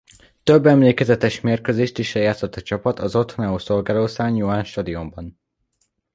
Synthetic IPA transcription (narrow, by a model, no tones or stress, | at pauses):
t̪øbːɛmleːkɛzɛt̪ɛʃmeːrkøːzeːʃt̪iʃɛjaːt̪so̞t̪ːɒt͡ʃɒpɒt̪ɒzo̞t̪honaoːso̞lɡaːloːsaːjuaːnʃt̪ɒd̪iombɒn